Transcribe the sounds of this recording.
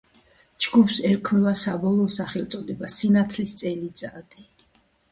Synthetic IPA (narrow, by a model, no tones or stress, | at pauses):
d͡ʒɡupsɛɾkʰmɛvasabɔlˠɔːsaχɛlˠt̪sʼɔd̪ɛbasinat̪ʰlist̪sʼɛlit̪sʼad̪i